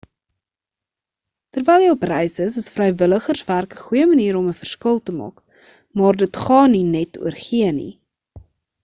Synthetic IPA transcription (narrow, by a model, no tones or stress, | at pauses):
tərvɛjlˠjəoprɛjsəsəsfrəjvələχərsværkəχujəməniːɾɔməfərskəlˠtəmɑ̰ːk | mɑːrdətχɑːninɛtṵərχiənḭ